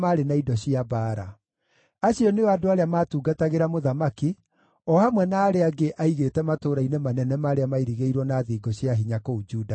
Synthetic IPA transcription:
maːɾenaidɔɕiabaːɾa̰ | aɕiɔneɔadoaɾeamaːtuːɡataɣeɾamoðamaki | ɔhamwɛnaːɾeaɡeʔaiɣetɛmatoːɾainemanɛnɛmaːɾeamaiɾiɣeiɾwɔnaðiːɡɔɕiaɦiɲakoud͡ʒuːda

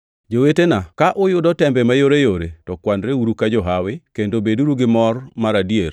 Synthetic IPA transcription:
d͡ʒowetenakaʔʊjʊdɔtɛmbɛmajoɾejoɾetɔkwandɾeuɾukad͡ʒɔɦawɪkendobeduɾuɡɪmɔrmaɾadier

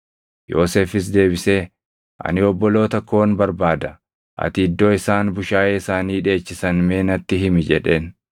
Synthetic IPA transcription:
jo̞ːse̞ːfɪs̬d̪e̞ːbɪse̞ː | ʔɐ̰nɪɔbːɔlo̞ːt̪ɐkːo̞ːnbɐɾbaːd̪ɐ | ʔɐ̰t̪ɪːd̪ːoːɪsaːnbʊʃaːjeːɪsaːniːᶑe̞ːt͡ʃːɪsɐnme̞ːnɐt̪ːɪɦɪmɪd͡ʒɛ̰ᶑe̞ːn

